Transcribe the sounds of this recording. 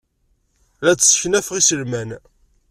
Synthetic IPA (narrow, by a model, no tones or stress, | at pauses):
læt͡sːsə̥çnæfʁisəlmæn